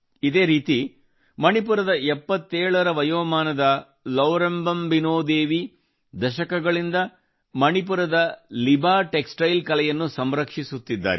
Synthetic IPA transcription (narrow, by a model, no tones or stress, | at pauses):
id̪e̞ːɾiːt̪i | mɐɳip̬uɾɐd̪ɐɛpːɐt̪ːeːɭɐɾɐʋɐjoːmaːnɐd̪ɐ | lɐʋɾɐmbɐmbinoːd̪eːʋi | d̪ɐʃɐkɐɡɐɭind̪ɐ | mɐɳipuɾɐd̪ɐlibaːʈeksʈɐjlkɐlɛjɐnːusɐmɾɐkʂisut̪ːid̪ːa̰ːɾe